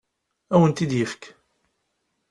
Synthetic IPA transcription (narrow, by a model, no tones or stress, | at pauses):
æwənt̪id̪jəfk